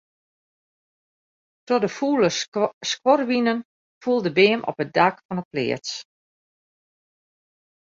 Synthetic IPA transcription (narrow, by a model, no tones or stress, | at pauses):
tɔdəfuːləskworʋinən | fulˠdəbeːmʔɔ̰pət̚dakfɔnəplɪ̰ːət